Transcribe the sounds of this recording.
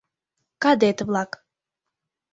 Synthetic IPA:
kɑd̪et̪βlɑk

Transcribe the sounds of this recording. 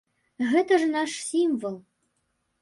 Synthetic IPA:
ɣɛt̪əʐɨnɑʂsʲimvəlˠ

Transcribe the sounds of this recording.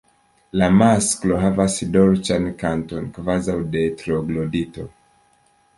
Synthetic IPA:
lamaskloɦavasdɔɾt͡ʃankantonkvazawdetɾoɡlodito

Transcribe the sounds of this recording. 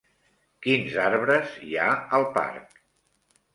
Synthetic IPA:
kinzaɾβɾəziaəlˠpa̰ɾk̚

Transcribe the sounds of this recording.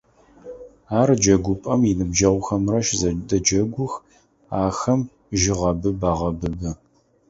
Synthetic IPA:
aːrd͡ʒɐɡʷʊpʼɐmjinɨbd͡ʒɐʁʷʊxɐmrɐʃzɐdɐd͡ʒɐɡʷʊx | aːxɐm | ʒɪʁɐbɨbaːʁɐbɨbɨ

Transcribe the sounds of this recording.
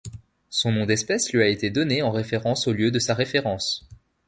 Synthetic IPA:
sɔ̃nɔ̃d̪ɛspɛslɥyaet̪ed̪ɔneɑ̃ʁefeʁɑ̃soljød̪əsaʁefeʁɑ̃s

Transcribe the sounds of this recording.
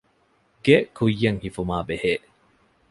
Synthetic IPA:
ɡekujːɐŋhifumaːbeheː

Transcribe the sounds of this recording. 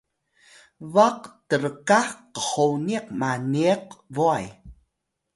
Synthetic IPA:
vaqtəɾəkaqəχowniq̚maniəq̚voaj

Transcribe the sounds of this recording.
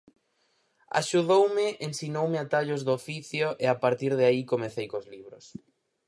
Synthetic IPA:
a̰ʃuðowmɪʔensinowmeat̪aʎʊzðofiθjʊʔeapaɾt̪iɾðeaikomeθejkozliβɾʊs

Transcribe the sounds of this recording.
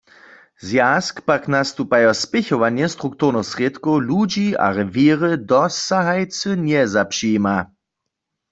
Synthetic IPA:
zjaːskpaknast̪upajɔspɪçɔʋanjɛst̪ʁukt̪uʁnɔxsʁjet̪kowlud͡ʒia̰ʁɛveːʁəd̪ɔsaɦajt͡sənjɛzapʂima

